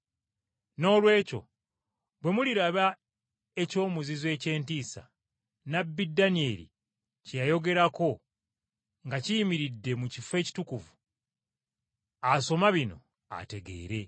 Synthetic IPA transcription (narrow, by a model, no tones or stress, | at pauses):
no̞ːlwe̞ːco̞̰ | βwe̞muliɾaβa | e̞co̞ːmuzizwe̞ːce̞ːntiːsa̰ | nabːidanie̞lḭ | cejajo̞ɡe̞ɾako̞ | ŋɡacijimiɾidːe̞mucife̞ːci̥tukuvu | aso̞maβino̞̰ | a̰te̞ɡe̞̰ːɾe̞